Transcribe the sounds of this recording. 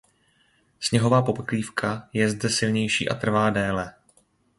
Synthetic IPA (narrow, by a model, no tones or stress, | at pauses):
sɲɛɦo̞vaːpo̞pkliːfkajɛzdɛsɪlɲɛjʃḭːʔa̰t̪r̩vaːdɛːlɛ